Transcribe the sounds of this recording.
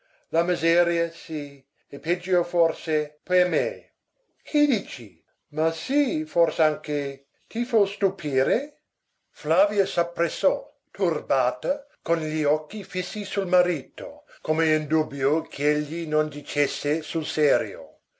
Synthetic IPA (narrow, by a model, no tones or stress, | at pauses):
lamizɛːɾjasi | eped͡ʒːoforsepeme | kʰid̪iːt͡ʃḭ | masiforseaŋke | t̪ifost̪upʰiːɾe | flaviɐsapːɾesːɔ | t̪ʰurbaːt̪ɐ | konʎiɔkːifisːisulmaɾiːt̪o̰kʰomeind̪ubjokʰeeʎːinond̪it͡ʃesːesulsɛːɾjo̰